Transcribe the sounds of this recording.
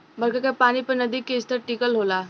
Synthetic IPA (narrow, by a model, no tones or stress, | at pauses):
bɐɾkakapaːnipɐɾnɐd̪ikːeɪst̪ʰəɾʈiːkəlɦoːlaː